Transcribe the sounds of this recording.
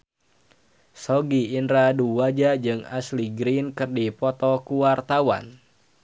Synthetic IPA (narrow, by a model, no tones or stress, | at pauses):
sɔɡiːnɾaduwad͡ʒad͡ʒɨŋa̰sliɡɾinkɨrdipɔt̪ɔkuwart̪awa̰n